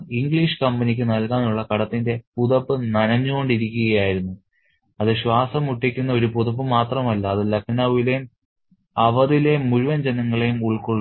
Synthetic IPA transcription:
iŋɡɭiːʂɨ̥kɐmbɐnikʲːɨnɐlkaːnuɭːɐkɐɽɐt̪ːinde̞puðɐpːɨnɐnɐɲːuɣo̞ɳɖiɾikʲːuɣɐjaːjiɾunːu | ɐðɨɕwaːsɐmuʈːikʲːunːɐo̞ɾupuðɐp̬ːɨmaːt̪rɐmɐlːɐːðɨlɐkʂnaːʋilejum | ɐʋɐðilemuɻuʋɐnd͡ʑenɐŋːɐɭe̞jumuɭkoɭː

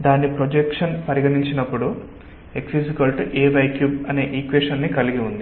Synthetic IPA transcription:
d̪aːnːipɾod͡ʒekʂɐnpɐɾiɡɐniɲt͡ʃinɐpːuɽu | e̞ksisikɐlʈeːʋɐjkjuːbɐne̞ːʔiːkʋeːʂɐnːikɐliɡiund̪i

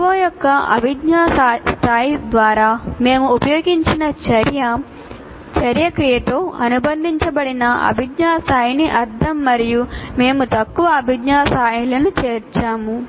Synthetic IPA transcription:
ʋoːjɔkːɐɐ̰bʱiɡɲaːst̪ʰaːjid̪ʋaːɾaːme̞ːmuːpɐjoːɡiɲt͡ʃinɐt͡ʃɐɾjɐ | t͡ʃɐɾjɐkɾijɐt̪o̞ːɐnubɐnd̪ʱiɲt͡ʃɐbɐɽinɐɐ̰bʱiɡɲaːst̪aːjiniʔɐɾd̪ʰʱɐmːɐɾijume̞ːmut̪ɐkːuʋɐɐbʱiɡnaːsaːjilɐnut͡ʃeːɾt͡ʃaːmu

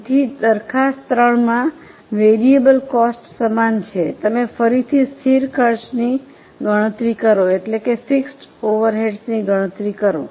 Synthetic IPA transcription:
t̪ʰid̪əɾkʰast̪ɾəɳmã | ʋeɾiebəlkɔsʈsəmant͡ʃʰet̪əmefəɾit̪ʰist̪ʰiɾkʰəɾsni | ɡʱəɽ̃ət̪ɾikəɾoeʈlekefiksʈoʋəɾɦeɖsniɡʱəɽ̃ət̪ɾikəɾo

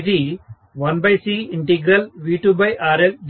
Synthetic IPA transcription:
d̪i | ʋɐnbɐjsiːiɳʈiɡɾɐlʋiːʈuːbɐjʔaːɾeld͡ʒ

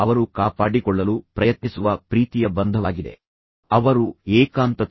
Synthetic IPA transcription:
ɐʋɐɾukaːpaːɽikɔɭːɐlupɾɐjɐt̪nisuʋɐpɾiːt̪ijɐbɐnd̪ʱɐʋaːɡid̪e̞̰ | ɐʋɐɾuɛːkaːnt̪ɐ

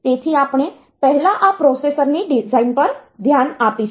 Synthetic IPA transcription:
t̪et̪ʰiːapɳ̃e | pəɦilaʔapɾosesəɾniɖid͡zainpəɾd̪ʱjanapi

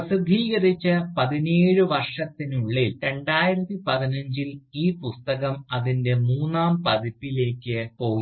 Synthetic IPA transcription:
ɐsid̪ʱiːɣɐrit͡ɕːɐpɐðineːɻɨʋɐrʂɐt̪ːinuɭːilɾe̞ɳɖaːjiɾɐt̪ːipɐðinɐɲd͡ʑiliːpust̪ɐɣɐmɐðinde̞muːnːaːmpɐðipːile̞ːkːɨpo̞ːi

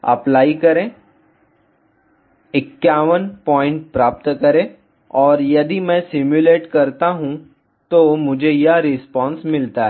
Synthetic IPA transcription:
ɐ̰plaːikɐɾẽː | ɪkːjaːʋənpɔ̃ːɪ̃ɳʈ̚pɾaːp̚t̪kɐɾẽː | ɔːɾjɐd̪imɛ̃sɪmjʊleːʈkɐɾt̪aɦũ | t̪omʊd͡ʒʱejɐɾɪspɔ̃ːnsmɪlt̪aɦɛɛː

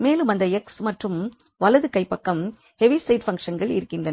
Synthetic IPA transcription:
meːlɯmɐnd̪ɐɛksmɐʈrɯm | ʋɐlɐðɯkɐɪpːɐkːɐm | hɛʋisɐɪɖfɐŋkʂɐnɡɐɭɪ̰ɾɯkːɪndrɐnɐ

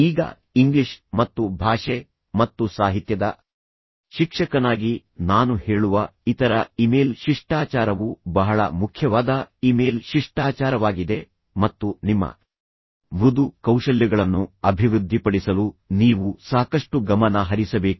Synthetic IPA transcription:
iːɡɐ̰ | iŋɡliʂmɐt̪ːubʱaːʂe | mɐt̪ːusaːɦit̪jɐd̪ɐ̰ | ʃikʂɐkɐnaːɡi | naːnuhe̞ːɭuʋɐit̪ɐɾɐimeːlʃiʂʈaːt͡ʃaːɾɐʋubɐɦɐɭɐ̰mukʰjɐʋaːd̪ɐimeːlʃiʂʈaːt͡ʃaːɾɐʋaːɡid̪e̞ | mɐt̪ːunimːɐ̰ | mɾud̪ukɐwʂɐljɐɡɐɭɐnːuɐbʱiʋɾud̪ʱːipɐɽisɐluniːʋusaːkɐʂʈuɡɐmɐnɐɦɐɾisɐbe̞ːku

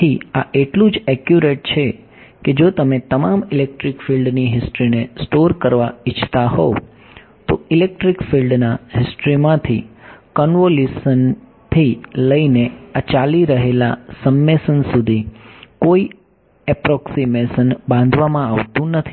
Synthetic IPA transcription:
iaʔeʈlũd͡ʒɛkjuɾeʈ̚t͡ʃʰe | ked͡ʒot̪əmẽt̪əmamɪlek̚ʈɾikfilɖniɦɪsʈɾinesʈoɾkəɾʋaɪt͡ʃʰt̪aɦo̰ | t̪oɪlek̚ʈɾikfilɖnaɦɪsʈɾimãt̪ʰikɔnʋolusən | t̪ʰiləineat͡ʃaliɾəɦelasəmːesənsud̪ʱikoi | ɛpɾɔksimesənbãnd̪ʱʋamãaʋt̪ũnət̪ʰi̥

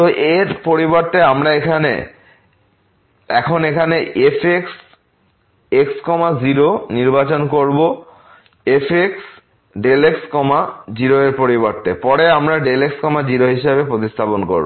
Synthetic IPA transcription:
t̪oʔeɾpoɾibɔɾt̪eamɾaekʰanḛ | ɛkʰonekʰaneʔefʰeks | ekskɔmad͡ʑiɾoniɾbat͡ɕonkoɾbo | efʰeks | ɖelekskɔmad͡ʑiɾoeɾpoɾibɔɾt̪epɔɽeamɾaɖelekskɔmad͡ʑiɾoɦiʃebepɾot̪ist̪ʰaponko̰ɾbo

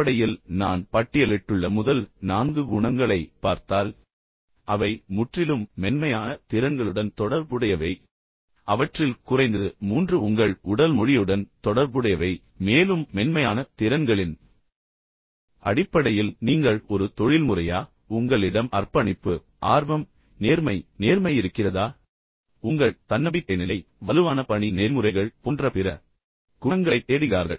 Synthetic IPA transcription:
ɐɽɐjɪlna̰ːnpɐʈːɪjɐlɪʈːɯɭːɐmʊðɐlnaːnɡɯʊɳɐŋɡɐɭɐɪpːaːɾt̪aːl | ʔɐʋɐɪmʊʈrɪlɯmːɛnmɐjaːnɐt̪ɪɾɐnɡɐɭɯɽɐnt̪ɔɽɐɾbɯɽɐjɐʋɐɪ | ɐʋɐʈrɪlkʊrɐɪnd̪ɯmuːndrɯʊŋɡɐɭʊɽɐlmɔɻɪjɯɽɐnt̪ɔɽɐɾbɯɽɐjɐʋɐɪ | meːlɯmːɛnmɐjaːnɐt̪ɪɾɐnɡɐɭɪn | ɐ̰ɽɪpːɐɽɐjɪlniːŋɡɐɭɔɾɯt̪ɔɻɪlmɯrɐjaː | ʊŋɡɐɭɪɽɐmɐrpɐɳɪpːɯ | ʔa̰ːɾʋɐm | neːɾmɐɪneːɾmɐjɪɾɯkːɪrɐðaː | ʊŋɡɐɭt̪ɐnːɐbɪkːɐnɪlɐɪ | ʋɐlɯʋaːnɐpɐɳineːlmɯrɐɪɣɐɭpoːndrɐpɪɾɐ | kʊŋɡɐɭɐɪt̪ːeːɽɪɣa̰ːɾɣɐ̰ɭ

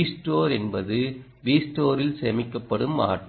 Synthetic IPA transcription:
sʈoːɾɛnbɐðɯ | ʋiːsʈoːɾɪlsɛmɪkːɐpːɐɽɯma̰ːʈː

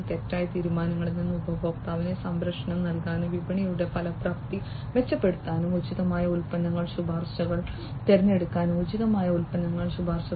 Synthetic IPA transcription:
t̪e̞tːaːjɐt̪iːɾumaːnɐŋːɐɭnːinːubɐbo̞ːkt̪ːaːʋinesɐmbɾɐkʂɐnɐmnɐlkaːnuʋibɐɳijuɽe̞pɐlɐprɐk̚t̪i | ʋe̞t͡ɕːɐpːe̞ɽut̪ːaːnumud͡ʑiðɐmaːjɐulpɐnːɐŋːɐɭsubʱaːrɕɐɣɐɭ | t̪eɾɐɲːe̞ɽukːaːnumud͡ʑiðɐmaːjɐulpɐnːɐŋːɐɭsubʱaːrɕɐ

